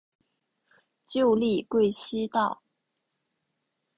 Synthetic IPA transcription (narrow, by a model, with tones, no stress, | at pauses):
t͡ɕjo˥˧ʊli˥˧kwe˥˩ɪɕi˥t̪ɑ˥˩ʊ